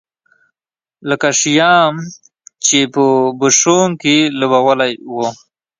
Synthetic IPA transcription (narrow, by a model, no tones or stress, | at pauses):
ləkaʂijɑm | t͡ʃepəbəʂoŋkelubawəlajwo